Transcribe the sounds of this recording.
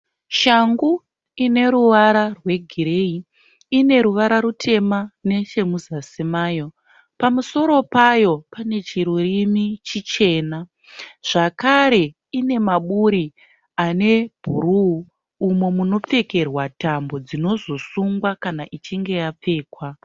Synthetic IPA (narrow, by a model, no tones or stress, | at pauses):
ʃaŋɡu | ine̞ɾuʋaɾarwe̞ɡʱiɾei | ine̞ɾuʋaɾaɾutʰe̞mane̞ʃe̞muzasimaːjo̞ | pamuso̞ɾo̞pajo̞pane̞t͡ʃiɾurimit͡ʃit͡ʃe̞ːna | ʐ̥akaɾe̞ | ine̞maɓuɾi | ane̞b̥ʱuɾuuː | mo̞muno̞p͡fe̞ke̞rwatambo̞d͡zino̞zo̞suŋɡwakanaʔit͡ʃiŋɡe̞jap͡fe̞ːkwa